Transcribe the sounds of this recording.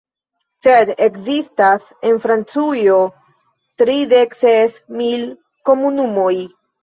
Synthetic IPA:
se̞dekzistas | e̞nfɾant͡sujo̞ | tɾide̞ksesmil | ko̞munumoj

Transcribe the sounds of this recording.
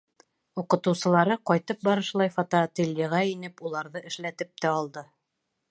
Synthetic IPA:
uqɤ̆t̪ɤ̆wsɤ̆lˠɑɾɤqɒjt̪ɤp̚bɑɾɤ̆ʃlˠɑjfɑt̪ot̪elʲːiʁɑinɘpulˠɑɾðɤʔɘ̆ʃlæt̪ɘp̚t̪æɑlˠd̪ɤ

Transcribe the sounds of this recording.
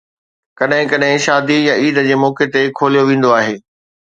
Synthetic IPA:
kɐɗɦɪ̃kɐɗɦɪ̃ʃaːd̪ijɐ̃iːd̪ə̆d͡ʑeːmɔːket̪ekʰoːlijoʋẽːn̆d̪oaːɦeː

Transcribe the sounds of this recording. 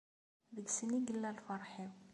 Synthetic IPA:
ðəɡsəniɡəlːælfɑɾˤħiw

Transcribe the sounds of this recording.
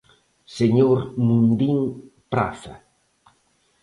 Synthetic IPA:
seɲoɾmund̪iŋpɾa̰θa̰

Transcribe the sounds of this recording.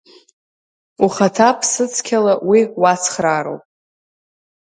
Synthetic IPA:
uχatʰapʰsɨt͡sʰkʲʰalawiwat͡sʰχraɾo̰wpʼ

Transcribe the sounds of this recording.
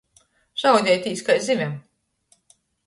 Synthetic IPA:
ʒ̥awd̪ʲɛjt̪ʲiːskajzimʲɛm

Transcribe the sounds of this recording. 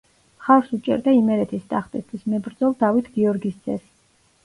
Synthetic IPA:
χaɾsut͡ʃʼɛ̰ɾd̪aimɛɾɛt̪ʰist̪ʼaχt̪ʼist̪ʰwismɛbɾd̪zɔlˠd̪avit̪ʰɡ̥iɔɾɡist̪sʼɛs

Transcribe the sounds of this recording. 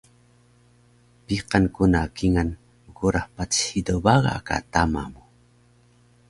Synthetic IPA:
piqankunakiŋan | məɡuɾahpat͡sidobaɣa̰ka̰tama̰mu

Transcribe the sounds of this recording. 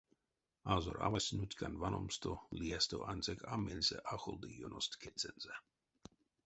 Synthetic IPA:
azoɾa̰vasʲnut̪ʲkʰanvanʔomst̪oliɛst̪oʔanʲt͡sɛkʰamelʲsɛ̰ʔaxolˠd̪ijonʔost̪kʰɛt͡sɛnzɛ

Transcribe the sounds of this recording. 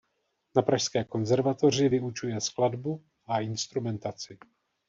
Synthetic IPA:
napɾaʃskɛːko̞nzɛɾvat̪o̞r̝ɪvɪut͡ʃujɛskladbu | ʔaʔɪnst̪ɾumɛnt̪at͡sɪ

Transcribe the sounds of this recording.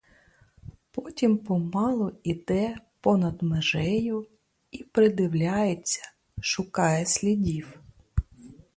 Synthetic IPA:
pɔtʲimpɔmɑlˠɔid̪ɛpɔnɐd̪meʒɛjʊ | ipɾɪd̪ɪwlʲajet͡sʲːɐ̥ | ʃʊkɑjɛsʲlʲidʲiw

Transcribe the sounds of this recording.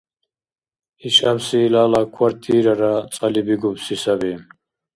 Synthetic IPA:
iʃabsilaːlakʰwaɾt̪ʰiːɾaɾat͡sʼalibiɡubsisabi

